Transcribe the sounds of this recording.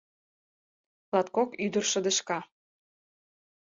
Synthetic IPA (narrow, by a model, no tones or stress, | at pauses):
lɑt̪̚kokyd̪ərʃə̆d̪ə̆ʃkɑ